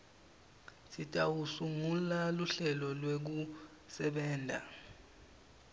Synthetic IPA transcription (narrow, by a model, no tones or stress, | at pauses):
sitʼawusuŋulaluɬɛlɔlwek̬u | sɛɓɛːndʱa̰